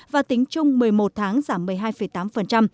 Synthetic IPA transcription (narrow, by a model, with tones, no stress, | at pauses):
vaː˨˩t̪ï˨˦ŋ̟t͡ɕʊ˧ŋ͡mmɨ˨˩əjmo˨˩t̚t̪ʰaː˨˦ŋzaː˧˩mːɨ˨˩əjɦaː˧jfə˧˩jt̪aː˨˦mfə˨˩nt͡ɕa˧m